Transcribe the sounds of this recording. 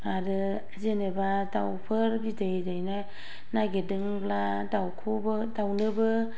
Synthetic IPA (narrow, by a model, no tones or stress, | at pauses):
aɾɯ | zenebadawpʰɯɾbidejdajna | naɡedɯŋɡla | dawkʰubɯdawnɯbɯ